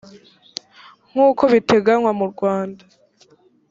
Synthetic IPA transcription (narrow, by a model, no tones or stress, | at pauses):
ŋ̥uːko̞βite̞ɡanwamuɾɡwaːnda